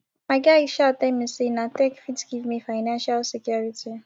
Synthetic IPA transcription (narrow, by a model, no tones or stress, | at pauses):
maɡaiʃatɛmĩsinãtɛkfidɡivmifaɪnãnʃalsikjuɹiti